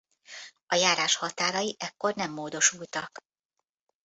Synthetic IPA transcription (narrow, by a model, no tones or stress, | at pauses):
ɒjaːɾaːʃhɒt̪aːɾɒjiʔɛkːo̞rnɛmːoːd̪o̞ʃult̪ɒk